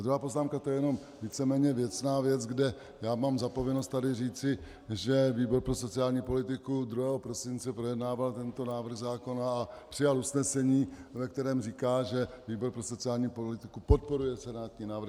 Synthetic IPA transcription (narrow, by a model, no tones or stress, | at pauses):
d̪ɾuɦaːpoznaːmkat̪ojɛjɛno̞m | viːt͡sɛmɛːɲɛvjɛt͡snaːvjɛt͡sɡdɛ | jaːmaːmzapo̞vjɛno̞st̪t̪adɪriːt͡sɪ | ʒɛviːbo̞ɾpɾoso̞t͡sɪaːlɲiːpo̞lɪt̪ɪkud̪ɾuɦɛːɦopɾo̞sɪnt͡sɛpɾo̞jɛdnaːvalt̪ɛnt̪o̞naːvɾr̩ɣzaːko̞naːpr̝̥ɪjalusnɛsɛɲiːvɛk̚t̪ɛɾɛːmriːkaːʒɛ | viːbo̞ɾpɾo̞so̞t͡sɪaːlɲiːpolɪt̪ɪkupo̞t̪̚po̞ɾujɛsɛnaːt̪ɲiːnaːvɾr̩x